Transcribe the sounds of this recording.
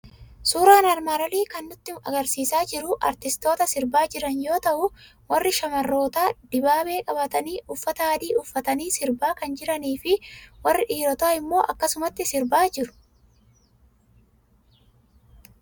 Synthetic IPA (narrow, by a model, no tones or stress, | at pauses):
suːɾaːnɐɾmaːɾɐliːkɐnːʊt̪ːɪɐ̰ɡɐɾsiːsaːd͡ʒɪɾʊʔɐɾt̪ɪst̪o̞ːt̪ɐsɪɾbaːd͡ʒɪɾɐnjo̞ːt̪ɐʔʊ | wɐrːɪʃɐmɐrːo̞ːt̪aːd̪̥ɪbaːbe̞ːkʼɐbɐt̪ɐniːʔʊfːɐt̪ɐaːd̪iːʊfːɐt̪ɐniːsɪɾbaːkɐnd͡ʒɪɾɐniːfɪwɐrːɪᶑiːɾɔt̪aːɪmːo̞ːʔɐkːɐsʊmɐt̪ːɪsɪɾbaːd͡ʒɪɾʊ̥